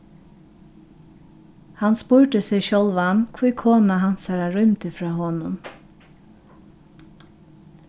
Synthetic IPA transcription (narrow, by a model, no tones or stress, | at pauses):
hanspʊɹʈ̪əsɪʃɔlʋankʰviːkʰoːnaɦansaɾaɹʊmt̪ɪfɾɑːɦɔːnʊn